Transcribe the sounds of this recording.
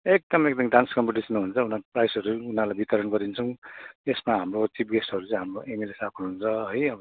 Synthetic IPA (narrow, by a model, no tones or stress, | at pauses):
ek̚d̪ʌmekd̪ʌmɖanskʌmpiʈisʌnɦunt͡sʰʌunaprajsɦʌɾuunalabit̪ʌɾʌnɡʌd̪int͡sʰʌw̃esmaɦamrot͡sip̚ɡesʈɦʌɾut͡sʌ̃j̃ɦamroʔemilesapʰunɦunt͡sʰʌɦʌjʌbʌ